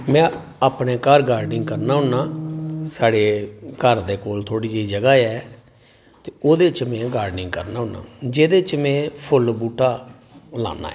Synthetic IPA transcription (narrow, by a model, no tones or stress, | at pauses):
mɛ̃ː | aːpneːkəɾɡaːɾɖɪŋɡkəɾnaːɦʊnːaːsaːɽeːkəɾd̪eːkoːlt̪ʰoːɽiːd͡ʒiːd͡ʒəɡaːɛː | t̪eːoːd̪eːt͡ʃmɛ̃ːɡaːɾɖnɪŋɡkəɾnaːɦʊnːa̰ːd͡ʒeːd̪eːt͡ʃmɛ̃ːpʰʊlbuːʈʰaː | la̰ːna̰ː